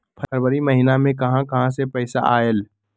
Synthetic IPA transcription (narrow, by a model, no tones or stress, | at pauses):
pʰəəɾwəɾimɐɦinamẽkɐɦãkɐɦãsepɛɪsa̰ʔaːel